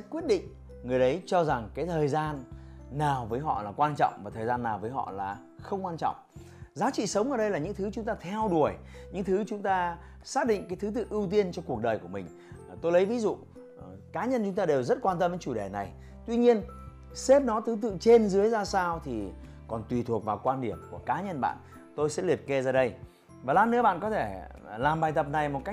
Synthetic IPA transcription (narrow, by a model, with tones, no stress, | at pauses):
kwi˦˥ət̚ɗḭ̈˧˨ŋ̟ | ŋɨ˨˩əjʔə˨˦jt͡ɕɔ˧za˨˩ŋkaː˨˦jt̪ʰəː˨˩jzaː˧nːaː˨˩wvəː˨˦jɦɔ̰˧˨laː˨˩kwaː˧nt͡ɕɔ̰˧˨wŋ͡mvaː˨˩t̪ʰəː˨˩zaː˧nːaː˨˩wvəː˨˦jɦɔ̰˧˨laː˨˩ | xə˧wŋ͡mkwaː˧nt͡ɕɔ̰˧˨wŋ͡m | zaː˨˦t͡ɕḭ˧˨sə˨˦wŋ͡mʔəː˧˩ɗə˧jlaː˨˩ɲɨ̰˧˥ŋt̪ʰɨ˨˦t͡ɕʊ˨˦ŋ͡mt̪aː˧t̪ʰɛ˧wɗu˧˨˩əj | ɲɨ̰˧˥ŋt̪ʰɨ˨˦t͡ɕʊ˨˦ŋ͡mt̪aː˧ | saː˦˥k̚ɗḭ˧˨ŋ̟kaː˨˦jt̪ʰt̪ɨ̰˧˨ʔɨ˧wt̪̬i˧ənt͡ɕɔ˧ku˨˩ək̚ɗəː˨˩jku˧˩əmï˨˩ŋ̟˩ | t̪o˧jlə˨˦jvi˨˦zṵ˧˨ | kaː˨˦ɲə˧nt͡ɕʊ˨˦ŋ͡mt̪aː˧e˨˩wzə˦˥t̚kwaː˧nt̪ə˧mvə˨˦jt͡ɕu˧˩ɗe˧˩na˨˩j | t̪wi˧ɲi˧ən | se˦˥p̚nɔ˨˦t̪ʰɨ˨˦t̪ɨ̰˧˨t͡ɕe˧nzɨ˨˦əjzaː˧saː˧wt̪ʰi˨˩ | kɔ˨˩nt̪wi˨˩t̪ʰu˨˩ək̚vaː˨˩kwaː˧nɗi˧˩əmku˧˩əkaː˨˦ɲə˧nɓa̰ː˧˨n | t̪o˧jsɛ̰˧˥li˨˩əp̚ke˧zaː˧ɗə˧j | vaː˨˩laː˧˥nɨ̰˧˥ɓa̰ː˧˨nkɔ˨˦t̪ʰe˧˩laː˨˩mɓaː˨˩jt̪ə˨˩p̚na˨˩jmo˨˩t̚ka˦˥k̚